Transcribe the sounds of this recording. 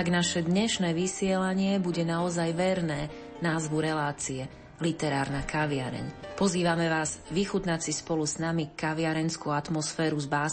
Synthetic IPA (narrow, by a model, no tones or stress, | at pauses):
aɡnaʃɛd̪ɲɛʃnɛːʋisɪɛlaɲɪɛbuɟɛnaɔzajʋɛɾnɛː | naːzʋuɾɛlaːt͡siɛ | lit̪ɛɾaːɾnakaʋɪaɾɛ̰ɲpɔziːʋamɛʋaːzʋixut̪nat͡sispɔluznamikaʋɪaɾɛnskuat̪mɔsfɛːɾuzbaː